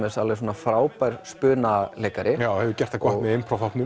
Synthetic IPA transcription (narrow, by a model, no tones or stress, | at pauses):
mɛsalvɛs̬oːnafɾaːwpajɾ̥spʏːnaleːjkaɾʔɪjaːwhɛvʏcɛr̥t̪akʰahɣmɛðɪmfɾawfat̪nʏ